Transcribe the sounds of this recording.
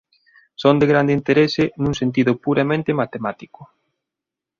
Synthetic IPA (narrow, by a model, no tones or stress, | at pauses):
sond̪eɣɾand̪int̪eɾesɪnũŋsent̪̬iðʊpuɾamẽnt̪ɪmat̪emat̪ikʊ